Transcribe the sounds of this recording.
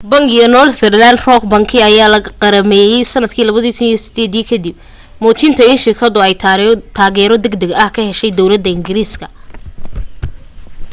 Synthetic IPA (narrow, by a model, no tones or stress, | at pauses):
bɐŋɡɪjɔnɔlt̪ɛrland̪rɔkbɐŋkʰɪɐjaːlɐɣɐqɑɾɐmɛːjɛjsɐnːɐd̪kʰiːlɐβɐðikʰʊnijɔsɪ̥d̪ɛːd̪iːkʰɐd̪ib̚ | mɔːt͡ʃɪnt̪ʰɐɪnʃɪrkʰɐðʊɛjt̪ʰaːɣɛːɾɔd̪ɐɡd̪ɐɡɐhkʰɐhɛʃɛjd̪ɔwlɐd̪ːɐɪŋɡɪɾiːskʰɐ